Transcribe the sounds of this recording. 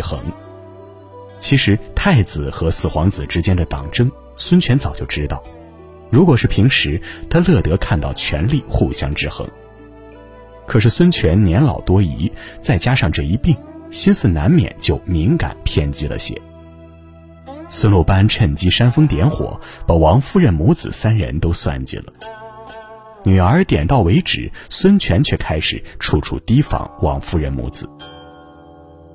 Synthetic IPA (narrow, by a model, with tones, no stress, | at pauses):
xɤ̰˧˥ŋ | t͡ɕʰi˧˥ʂɻ̩˧˥t̪ʰa˥˩ɪt͡sɹ̩˨˩xɤ˧˥sɹ̩˨˩xwɑ˧˥ŋt͡sɹ̩˨˩ʈ͡ʂɻ̩˥t͡ɕjɛ˥nd̪ə˨t̪ɑ̰˨˩ŋʈ͡ʂɤ˥ŋ | swə˥nt͡ɕʰɥɛ˧˥nt͡sɑ˨˩ʊt͡ɕjo˥˩ʊʈ͡ʂɻ̩˥t̪ɑ˥˩ʊ | ɻu˧˥kwɔ˨˩ʂɻ̩˥˩pʰi˧˥ŋʂɻ̩˧˥t̪ʰa˥lɤ˥˩t̪ɤ˧˥kʰa˥˧nt̪ɑ˥˩ʊt͡ɕʰɥɛ̰˧˥nli˥˧xu˥˩ɕjɑ˥ŋʈ͡ʂɻ̩˥˧xɤ̰˧˥ŋ | kʰɤ˨˩ʂɻ̩˥˩swə˥nt͡ɕʰɥɛ˧˥nnjɛ˧˥nlɑ̰˨˩ʊt̪wɔ˥i˧˥t͡sa˥˩ɪt͡ɕja˥ʂɑ˥˧ŋʈ͡ʂɤ˥˩i˧˥pi˥˩ŋɕi˥nsɹ̩˥˩na˧˥nmjɛ̰˨˩nt͡ɕjo˥˩ʊmi˧˥ŋka̰˨˩˦npʰjɛ˥˩nt͡ɕi˥lə̰˨ɕjɛ̰˨˩˦ | swə˥nlu˥˩pa˥nʈ͡ʂʰə˥˩nt͡ɕi˥ʂa˥nfɤ˥ŋt̪jɛ˧˥nxwɔ̰˨˩˦pa˨˩wɑ˧˥ŋfu˥˧ɻə˥˩nmu˧˥t͡sɹ̩̰˨˩sa˥nɻə̰˧˥nt̪o˥ʊswa̰˥˩nt͡ɕḭ˥˩lə̰˩ | ny˨˩ə˞˧˥t̪jɛ˨˩nt̪ɑ˥˩ʊwe˧˥ɪʈ͡ʂɻ̩̰˨˩˦swə˥nt͡ɕʰɥɛ˧˥nt͡ɕʰɥɛ˥˩kʰa˥ɪʂɻ̩̰˨˩ʈ͡ʂʰu˥˩ʈ͡ʂʰṵ˥˩t̪i˥fɑ̰˧˥ŋwɑ̰˧˥ŋfu˥˧ɻə˥˩nmṵ˧˥t͡sɹ̩˨˩˦